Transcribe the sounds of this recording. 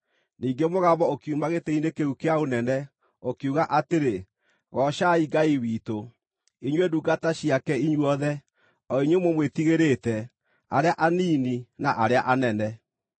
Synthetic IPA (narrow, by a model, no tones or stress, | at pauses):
niːŋɡemoɣaβɔokiumaɣetɛinekeukeaonɛnɛ | okeuɣaʔateɾe | ɣɔʃaiɡaiwiːto | iɲweduɡataɕiakɛiɲwɔðɛ | ɔiɲwemwomwetiɣeɾetɛ | aɾeaʔaniːninaʔaɾeaʔanɛnɛ